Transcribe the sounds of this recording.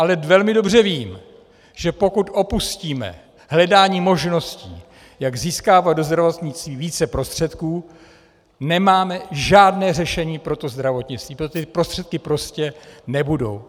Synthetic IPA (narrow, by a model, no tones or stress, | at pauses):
ʔalɛvɛlmɪdo̞br̝ɛviːm | ʒ̥ɛpo̞kut̪ʔo̞pusciːmɛ̰ | ɦlɛdaːɲiːmo̞ʒno̞scḭː | jaɡziːskaːvad̪do̞zd̪ɾavot̪ɲɪt͡st̪viːviːt͡sɛpɾo̞st̪r̝̥ɛt̪kuː | nɛmaːmɛʒaːdnɛːr̝ɛʃɛɲiːpɾo̞t̪o̞zd̪ɾavot̪ɲɪt͡sst̪viːpɾot̪ɪpɾost̪r̥ɛt̪kɪpɾo̞scɛnɛbudo̞̰w